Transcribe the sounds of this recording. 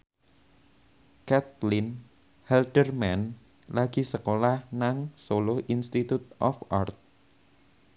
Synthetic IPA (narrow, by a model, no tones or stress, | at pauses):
kɛt̪̚lɪn | hɛldərmɛn | laɡ̥i̤səkolahnaŋsolohʔinst̪it̪ut̪̚ʔɔfart̪̚